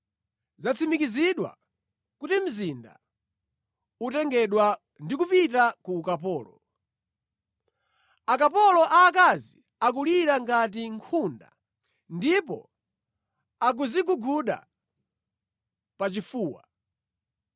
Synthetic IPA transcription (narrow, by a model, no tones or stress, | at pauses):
zat͡sʰimikiziɗwa̰ | kutim̩zinda̰ | utɛŋɡɛɗwa | ndikupitakuːkapɔːlɔ | akapɔlɔʔaːk̬azi | ak̬uliɾaŋɡat̬iŋkʰunda̰ | ndipɔ̰ | ak̬uziɡuɡuɗa̰ | pat͡ʃifuːwa̰